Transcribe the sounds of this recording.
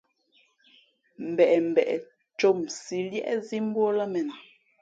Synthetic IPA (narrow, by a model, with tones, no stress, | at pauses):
m̩˨bɛ˨ʔɛ˨m̩˨bɛ˨ʔɛ˨ | t͡ʃo˦˨msi˨ljɛ̰˦ʔɛ˦zi˦m̩˦bwɔ˦la˦mɛ˨n˨